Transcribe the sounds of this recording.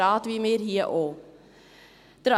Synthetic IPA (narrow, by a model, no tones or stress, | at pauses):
ɑːt̪ʋimeːɾhiːəʔoː | d̪̥ɾa